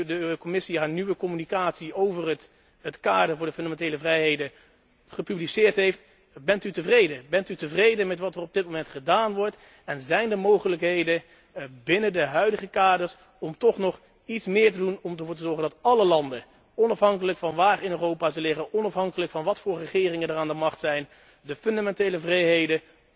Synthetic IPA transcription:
dəkomɪsiɦaːɹniʋəkɔmynikaːtsiowvərə | ətkaːdəɹvʊːɹdəfɵndamɛntejləvrɛjɦejdə | χəpyblisɪːɹtɦejft | bɛntytəvrejdəbɛntytəvrejdəmɛtʋɑtərɔb̚dɪt̚mowmɛntχədaːnʋɔɹt | ɛnzɛjndəmowχələkɦejdə | bɪnədəɦœɥdəχəkaːdəɹs | ɔmtɔχnɔχ | itsmɪːɹtədunɔmdəvʊːɹtəzɔɹχəndɑtɑləlɑndə | ɔnɑfɦɑŋkələkfɑnʋaːrɪnøːrowpaːzəlɪχənʔɔnɑfɦɑŋkələkfɑnʋɑtfʊːɹrəχɪːrɪŋəndəraːndəmɑχtsɛjn | dəfɵndamɛntejləvrɛjɦejdə

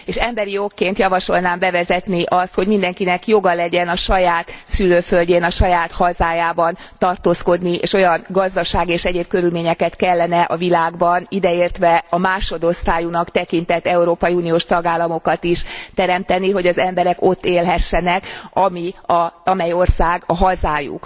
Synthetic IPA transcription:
eːʃɛmbɛɾijokːeːnt̪jɒvɒʃo̞lnaːmbɛvɛzɛt̪niʔɒst̪ho̞ɟmind̪ɛŋkinɛkjo̞ɡɒlɛɟɛnɒʃɒjaːt̪syløːfølɟeːnɒʃɒjaːt̪hɒzaːjaːbɒn | t̪ɒrt̪oːsko̞d̪niʔḛːʃo̞jɒnɡɒzd̪ɒʃaːɡieːʃɛɟeːb̚kø̞ɾylmeːɲɛkɛt̪kɛlːɛnɛʔɒvilaːɡbɒnid̪ɛeːrt̪ʋɛɒmaːʃo̞d̪o̞st̪aːjunɒkt̪ɛkint̪ɛt̪ːɛuɾoːpɒjiuːnijoːʃt̪ɒɡaːlːɒmo̞kɒt̪iʃt̪ɛɾɛmt̪ɛniɦo̞ɟɒzɛmbɛɾɛko̞t̪ːeːlɦɛʃːɛnɛkɒmiɒɒmɛjo̞rsaːɡɒɦɒzaːjṵk

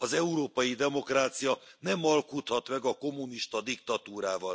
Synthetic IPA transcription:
ɒzɛuɾoːpɒjid̪ɛmo̞kraːt̪sijɒnɛmɒlkut̪hɒt̪mɛɡɒko̞mːuniʃt̪ɒd̪ikt̪ɒt̪uːɾaːvɒl

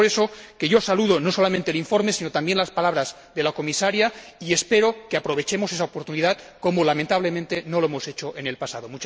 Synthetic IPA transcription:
ɾeso̞keʝo̞saluðono̞so̞lamẽnt̪eliɱfo̞ɾmesino̞t̪ambjenlaspalaβɾaz | ðe̞lako̞misaɾjaie̞spe̞ɾo̞keapɾo̞β̞e̞t͡ʃe̞mosesaopoɾt̪uniðað | ko̞molamẽnt̪aβle̞mẽnt̪e̞no̞loemo̞se̞t͡ʃoʔene̞lpasaðomut͡ʃ

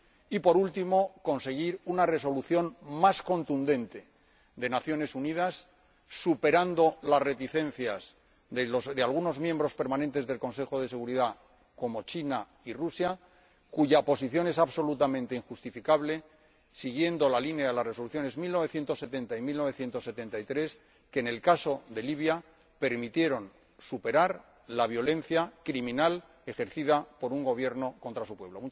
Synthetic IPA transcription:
ipo̞ɾult̪imo̞ko̞nse̞ɣ̞iɾunare̞so̞luθjo̞nmasko̞nt̪und̪ẽ̞nt̪e̞ | d̪e̞naθjo̞ne̞sunið̞asː | upe̞ɾand̪o̞lasre̞t̪iθẽ̞n̟θjas | ðelosðealɣ̞uno̞zmjẽmbɾo̞spe̞ɾmãnent̪e̞zðe̞lko̞nse̞xo̞ðe̞se̞ɣ̞uɾiða | ko̞mo̞t͡ʃina | irusja | kuʝapo̞s̬iθjo̞ne̞saβso̞lut̪amẽ̞nt̪e̞iŋxust̪ifikaβle̞ | siɣ̞je̞nd̪o̞lalinjaðelare̞so̞luθjo̞ne̞zmilno̞β̞e̞θje̞nt̪o̞sːe̞t̪e̞nt̪aimilnoβe̞θje̞nt̪osːe̞t̪e̞nt̪ait̪ɾe̞s | keːne̞lkaso̞d̪e̞liβja | pe̞ɾmit̪je̞ɾo̞n | supe̞ɾaɾ | laβ̞jo̞lẽ̞n̟θjakɾimĩnal | e̞xe̞ɾθiðapo̞ɾuŋɡo̞β̞je̞ɾno̞ko̞nt̪ɾasupwe̞βlo̞mu

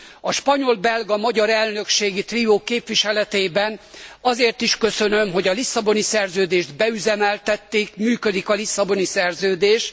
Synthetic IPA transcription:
ɒʃpɒɲo̞lbɛlɡɒmɒɟɒɾɛlnø̞kʃeːɡit̪rioːkeːpʋiʃɛlɛt̪eːbɛnɒzeːrt̪iʃkø̞sønø̞mɦo̞ɟɒlisːɒbo̞nisɛrzøːd̪eːʒd̪bɛyzɛmɛlt̪ɛt̪ːeːkmyːkød̪ikɒlisːɒbo̞nisɛrzøːd̪eːʃ

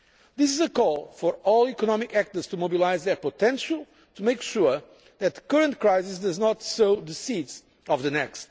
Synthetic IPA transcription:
ðɪs̬ɪzəkɔlˠfɔɹɔlˠikɔnɔmikæk̚t̪ə˞z̥tumobilaɪzðə˞potɛ̃nʃəlˠ | tʰumeɪkʃuɹ | ðɨt̪̚ðəkɜɹə̃nt̚kɹaɪzɪsdʌznɔtsoʊðəsidz̥ | ɔvðɨnɛkst

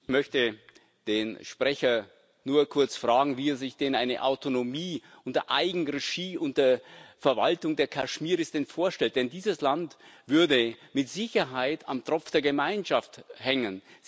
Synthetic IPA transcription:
ɪçmœçtə | d̥eːnʃpʁ̥ɛçɐ | nuːɐkʰʊɐt͡sfʁ̥aːɡŋ̩viːɛɐzɪçd̥eːnʔaɪnə̰ʔa̰ʊtonomiː | ʔʊntɐʔaɪɡŋ̩ʁeʃiːʊnt̚d̥eːɐfɛɐvaltʊŋdeːɐkʰaʃmiːʁɪsd̥ɛnfoːɐʃtɛlt̚d̥ɛndiːzəslantv̥ʏɐdəmɪtz̥ɪçɐɦaɪta̰mtʁ̥ɔpp͡fd̥eːɐɡəmaɪnʃafthɛŋən

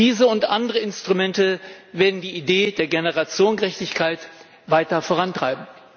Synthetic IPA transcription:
d̥iːzəʊntʔandəʁəɪnstʁ̥umɛntəveːɐdn̩diːideːdeːɐɡenəʁat͡sjoːnɡəʁɛçtɪçkʰaɪt | vaɪtɐfoːʁantʁ̥aɪbm̩

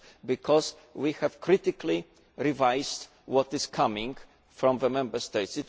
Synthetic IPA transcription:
bikʰɔz | wihɛv̥kɾɪt̪ikli | ɹivajz̥d̪ | wɔt̪ɪskʰamĩŋɡ | fɹɔ̃mðəmɛ̃mbə˞st̪ɛɪtsɨt

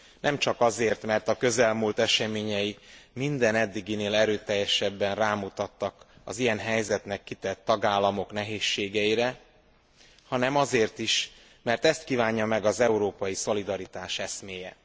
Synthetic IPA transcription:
nʔɛmt͡ʃɒkɒzeːrt̪mɛrt̪ɒkø̞zɛlmuːlt̪ɛʃɛmeːɲɛjimind̪ɛnɛd̪ːiɡineːlɛɾøːt̪ɛjːɛʃɛbːɛnraːmut̪ɒt̪ːɒkɒ̰zijɛnɦɛjzɛt̪nɛkːit̪ɛt̪ːɒɡaːlːɒmo̞knɛɦeːʃːeːɡɛjiɾɛ | hɒnɛmɒzeːrt̪iʃ | mɛrt̪ɛst̪̚kiːvaːɲːɒmɛɡɒzɛuɾoːpɒjiso̞lid̪ɒɾit̪aːʃɛsmeːjɛ

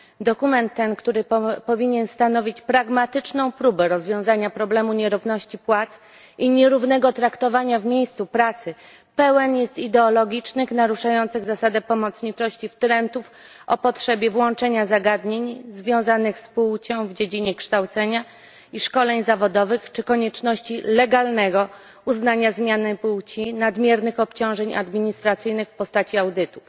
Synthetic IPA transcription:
d̪ɔkumɛnt̪ːɛnkt̪uɾɘpɔvʲiɲɛnst̪anɔvʲit͡ɕpɾaɡmat̪ɘt͡ʂnɔ̃w̃pɾubɛɾɔzvʲjɔ̃w̃zaɲapɾɔblɛmuɲɛɾuvnɔɕt͡ɕipwat̪s | ʔiɲɛɾuvnɛɡɔt̪ɾakt̪ɔvaɲavmʲejst̪supɾat̪sɘ | pɛwɛnjɛst̪id̪ɛɔlɔɡʲit͡ʂnɘxnaɾuʂajɔnt̪sɘɣzasad̪ɛpɔmɔt̪sɲit͡ʂɔɕt͡ɕift̪ɾɛnt̪uf | ɔ̰pɔtʂɛbʲjɛvwɔnt͡ʂɛɲazaɡad̪ɲeɲzvʲjɔ̃w̃zanɘxspuwt͡ɕɔ̃w̃vd͡ʑed͡ʑiɲɛkʂt̪awt̪sɛɲa | iʂkɔlɛɲzavɔd̪ɔvɘxt͡ʂɘkɔɲɛt͡ʂnɔɕt͡ɕilɛɡalnɛɡɔ | uznaɲazmʲjanɘpuwt͡ɕinad̪mʲjɛɾnɘxɔpt͡ɕɔ̃w̃ʐɛɲa̰d̪mʲiɲist̪ɾat̪sɘjnɘxfpɔst̪at͡ɕiawd̪ɘt̪uf

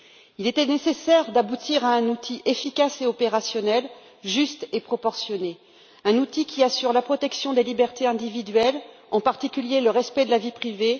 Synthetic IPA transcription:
ilet̪ɛnesesɛʁd̪abut̪ʰiʁaɛ̃nut̪ʰiʔefikʲaseɔpeʁasjɔnɛl | ʒyst̪epχɔpɔʁsjɔne | ɛ̃nut̪ikʲiasyʁlapχɔt̪ɛksjɔ̃d̪elibɛʁt̪eɛ̃d̪ivid̪ɥɛl | ɑ̃paʁt̪ikʲyljeləʁɛspɛd̪əlavipχive

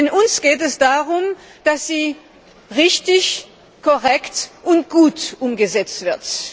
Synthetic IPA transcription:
ɪnʔʊnsɡ̥eːtɛsd̥aːʁʊm | d̥asz̥iː | ʁɪçtɪç | kʰɔʁɛktʔʊntɡ̥uːtʔʊmɡəzɛt͡stv̥ɪɐt

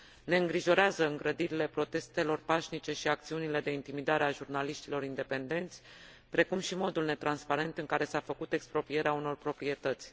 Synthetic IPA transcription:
ne̞ɨŋɡɾiʒo̞ɾeazəɨŋɡɾəd̪iɾile̞pɾo̞t̪e̞st̪e̞lo̞rpaʃnit͡ʃe̞ʃiak̚t̪siunile̞d̪e̞int̪imid̪aɾe̞aʒurnaliʃt̪ilo̞ɾind̪e̞pe̞nd̪e̞nt̪sʲ | pɾe̞kumʃimo̞d̪ulne̞t̪ɾanspaɾe̞nt̪ɨŋkaɾe̞safəkut̪e̞kspɾo̞pɾije̞ɾeauno̞rpɾo̞pɾie̞t̪ət̪sʲ

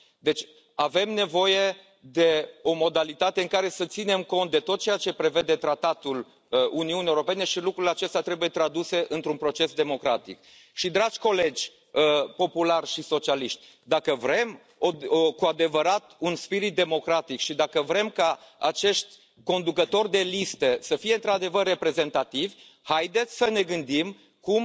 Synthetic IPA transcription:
d̪e̞t͡ʃʲ | ave̞mne̞vo̞je̞ | d̪e̞o̞mo̞d̪alit̪at̪e̞ɨŋkaɾe̞sət̪sine̞mko̞nt̪̚d̪e̞t̪o̞t̪̚t͡ʃejat͡ʃe̞pɾe̞ve̞d̪e̞t̪ɾat̪at̪ul | uniunijewuɾo̞pe̞ne̞ʃilukɾuleat͡ʃe̞st̪eat̪ɾe̞buje̞t̪ɾad̪use̞ʔɨnt̪ɾunpɾo̞t͡ʃe̞sd̪emo̞kɾa̰t̪ḭk | ʃid̪ɾad͡ʒʲko̞le̞d͡ʒʲ | əpo̞pularʃiso̞t͡ʃialiʃt̪ʲ | d̪akəvɾe̞m | okuad̪e̞vəɾat̪unspiɾit̪̚d̪e̞mo̞kɾat̪ikʃid̪akəvɾe̞mkaa̰t͡ʃe̞ʃt̪ʲ | ko̞nd̪ukət̪o̞rʲd̪e̞list̪əsəfijeɨnt̪ɾad̪e̞vərːe̞pɾe̞ze̞nt̪at̪ivʲ | hajd̪e̞t̪sʲsəne̞ɡɨnd̪im | kum

